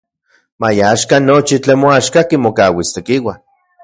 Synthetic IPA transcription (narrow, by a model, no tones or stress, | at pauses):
majaʃkanot͡ʃit͡ɬenmoaʃkakimokawist̪ekiwa